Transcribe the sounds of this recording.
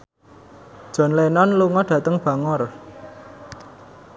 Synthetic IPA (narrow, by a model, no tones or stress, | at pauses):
d̥ʒ̥ɔ̤nlenɔnluŋɔɖ̥ä̤t̪əŋb̥a̤ŋɔr